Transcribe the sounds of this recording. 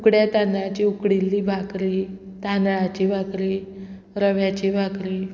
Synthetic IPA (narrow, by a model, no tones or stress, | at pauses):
ukɽjat̪anɭat͡ɕiukɽilːiːbʱakɾiː | t̪anɭat͡ɕiːbʱakɾiː | ɾəʋjat͡ɕiːbʱakɾiː